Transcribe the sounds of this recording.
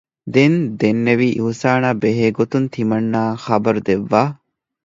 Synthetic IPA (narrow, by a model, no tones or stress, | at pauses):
d̪end̪enːeʋiːʔuusaːnaːbeɦeːɡot̪unt̪ʰimɐnːaːxɐbɐɾud̪eʋːaː